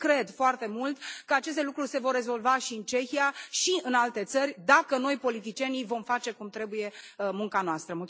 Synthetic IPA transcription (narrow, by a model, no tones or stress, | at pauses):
kɾe̞d̪foart̪e̞mult̪kəat͡ʃe̞s̬t̪elukɾurʲse̞vo̞rːe̞zo̞lvaʃiɨnt͡ʃe̞çijaʃiɨnalt̪e̞t̪sərʲd̪akəno̞jpo̞lit̪it͡ʃie̞nivo̞mfat͡ʃe̞kumt̪ɾe̞buje̞muŋkanoast̪ɾəmul